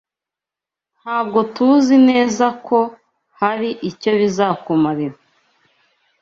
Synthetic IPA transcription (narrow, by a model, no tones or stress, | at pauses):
n̥haːb̚ɡo̞tuzine̞ːzakʰo̞ | haɾiʔico̞βizaːkumaɾiɾa